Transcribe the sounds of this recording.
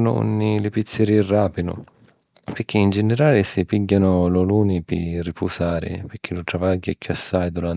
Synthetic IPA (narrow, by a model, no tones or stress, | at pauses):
nʊ̰ṵnːilɪpit̪sːɪɾiraːpɪnʊ̰ | pɪɾkːiːnd͡ʒɛnɪɾaːlɪsɪpiɟːanʊlɔluːnɪpɪ̰rːipʰusaːɾɪ̰pɪɾk̟ʰːilʊt̪ɾavaɟːakjuasːajd̪uɾan